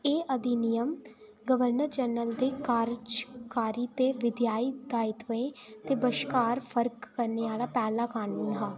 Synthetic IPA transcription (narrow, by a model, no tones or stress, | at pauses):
eːʔəd̪iːnɪjəm | ɡəʋəɾnəɾd͡ʒɛːnəld̪eːkaːɾd͡ʒkaːɾiːt̪eːʋɪd̪jaːiːd̪aːɪt̪ʋəẽːt̪eːbəʃkaːɾpʰəɾkːəɾneːaːlaːpɛːlaːkaːɳuːnɦaː